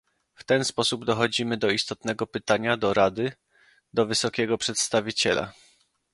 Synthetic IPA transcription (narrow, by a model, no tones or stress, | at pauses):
ft̪ɛnspɔsubd̪ɔxɔd͡ʑimɘd̪ɔist̪ɔt̪nɛɡɔpɘt̪aɲad̪ɔɾad̪ɘ | d̪ɔvɘsɔkʲɛɡɔpʂɛt̪st̪avʲit͡ɕɛla̰